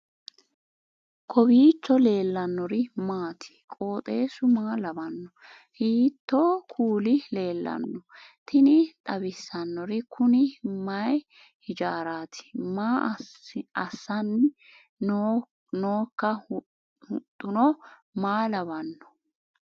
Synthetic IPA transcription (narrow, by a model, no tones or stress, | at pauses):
kʰɔbiːt͡ʃːɔle̞ːlːɐnːɔɾɪmaːt̪ʰɪ̥kʼo̞ːt̪ʼe̞ːsʊmaːlɐbɐnːɔ | hiːt̪ːoːkʰuːlɪle̞ːlːɐ̰nːɔt̪ʰɪnɪt̪ʼɐbɪsːɐnːɔɾɪkʰʊnɪmɐj | hɪd͡ʒaːɾaːt̪ʰɪ̥maː | ɐsːɐnː | nː | noːkːɐ | hʊt̪ʼːʊnɔmaːlɐβɐnːɔ̥